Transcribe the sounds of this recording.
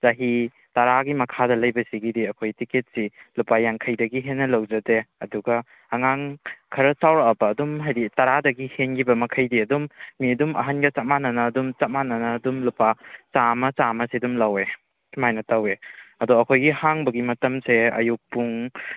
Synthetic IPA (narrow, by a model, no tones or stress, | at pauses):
zaɦi | tɐɾaɡimɐkʰadɐlɐjbɐsiɡidiɐkʰojtiket̚silupajaŋkʰɐjdɐɡiɦenːɐlɐwd͡ʒɐdeɐduɡɐː | ŋaŋkʰɐɾɐsawɾɐɐpɐːdumɦajɾitɐɾadɐɡihenɡibɐmɐkʰɐjdiɐdumːiɐdumʔɐ̰ɦanɡɐt͡ʃat̚manɐnɐːdumt͡ʃat̚manɐnɐːdumlupat͡ʃamɐt͡ʃamɐsedumlawe | kʰmajnɐtaweɐdɔɐkʰojɡihaŋbɐɡimɐtɐmseɐ̰juk̚puŋ